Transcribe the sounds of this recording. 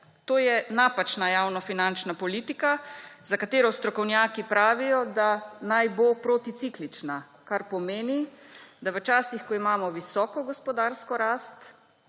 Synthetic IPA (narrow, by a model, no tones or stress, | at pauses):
t̪oːjɛnapat͡ʃnajaːwnɔfinant͡ʃnapɔliːt̪ikazakat̪eːɾɔst̪ɾɔkɔwnjaːkipɾaːʋijɔd̪anajbopɾot̪it̪siklit͡ʃna | kaɾpɔmeːnid̪aʋət͡ʃaːsixkɔimaːmɔʋisɔːkɔɡɔspɔd̪aːɾskɔɾaːst̪